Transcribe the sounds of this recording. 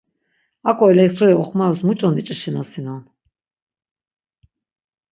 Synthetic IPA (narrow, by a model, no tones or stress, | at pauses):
akʰʼɔɛlɛkt̪ʰɾɔɛɔχmaɾɔsmut͡ʃʼɔnit͡ʃʼiʃinasinɔn